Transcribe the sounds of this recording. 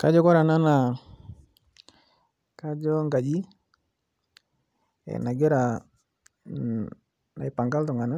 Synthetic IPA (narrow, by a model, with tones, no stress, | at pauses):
ka˦d͡ʒɔ˦kɔ˦ɾa˨na˦na˨ | ka˦d͡ʒɔ˦ŋɡa˨d͡ʒi˦ | ɛ̰˨na˨ɡe˦ɾa˨ | na˨i˦pa˨ŋɡa˦ltɔ˨ŋa˨na˦